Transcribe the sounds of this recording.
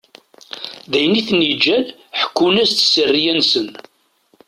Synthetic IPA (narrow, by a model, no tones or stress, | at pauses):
ðæjniθnːid͡ʒːæl | ħə̥kːunæst̪sərːijænsən